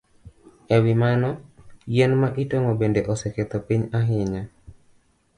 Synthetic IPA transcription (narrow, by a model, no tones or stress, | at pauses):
ɛwɪmanɔjɛnmaʔitoŋɔbendeʔɔsɛket̪ɔpiɲaɦɪɲa